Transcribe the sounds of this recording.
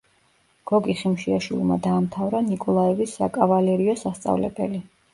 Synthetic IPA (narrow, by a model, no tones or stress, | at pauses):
ɡ̥ɔɡiχimʃiaʃwḭlˠma̰d̪aːmt̪ʰavɾanikʼɔlˠaɛvisːakʼavalɛɾiɔsast̪sʼa̰vlɛ̰bɛ̰li